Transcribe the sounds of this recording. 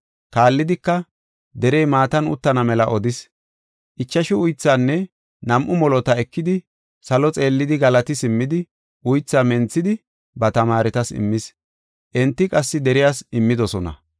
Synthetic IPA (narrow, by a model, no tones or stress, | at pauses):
kaːlːɪd̪ɪkːɐ | d̪ɛɾɛjmaːt̪ɐnʊ̰t̪ːɐnɐmɛlɐʔɔd̪ɪs | ʔɪt͡ʃːɐʃɪʊjt͡sːaːnːɛ | nɐmʔʊmɔlɔt̪ɐɛkːɪd̪ɪ | sɐlɔt͡sʼe̞ːlːɪd̪ɪɡɐlɐt̪ɪsɪmːɪd̪ɪ | ʔʊjt͡sːaːmɛnt͡sːɪd̪ɪ | bɐt̪ɐmaːɾɛt̪ɐsɪ̰mːɪs | ʔɛnt̪ːɪkʼɐsːɪd̪ɛɾɪjaːsɪmːɪd̪ɔsɔnɐ̰